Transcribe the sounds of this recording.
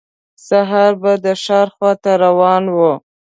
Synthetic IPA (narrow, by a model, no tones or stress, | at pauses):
saɦaɾbad̪əʃɑɾxwɑt̪aɾawɑnwu